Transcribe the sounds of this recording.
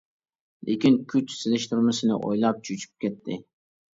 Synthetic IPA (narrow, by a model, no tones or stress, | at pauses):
lʔḛkʲɪnkʲʰʊt͡ʃsɪlɪʃt̪ʰʊɾmɪsɪnɪ̰ʔo̰jlˠap̚t͡ʃʰʊt͡ʃʰɪ̥p̚kʲet̪ʰːɪ